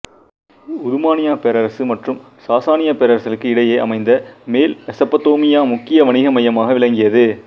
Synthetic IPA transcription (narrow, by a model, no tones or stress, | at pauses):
ʊðʊmaːnɪjaːpeɾɐɾɐsɯmɐʈrɯm | saːsaːnɪjaːpeːɾɐɾɐsɪlɯkːɯɪɽɐjeːʔɐ̰mɐɪnd̪ɐmeːlɛsɐpːɐt̪oːmɪjaːmʊkːɪjɐʋɐɳɪɣɐmɐjɐmaːɣɐʋɪɭɐŋɡɪjɐðɯ